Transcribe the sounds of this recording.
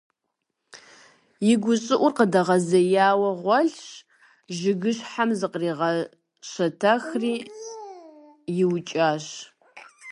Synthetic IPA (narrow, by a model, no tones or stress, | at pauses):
jɪɡʷʊɕʼɪʔʷʊrqədɐʁɐzɐjaːwɐʁʷɔɬ | ʒɪɡɨɕħamzɨqriːʁɐ | ɕɐtʰɐxriː | jɪwt͡ʃʼaːɕ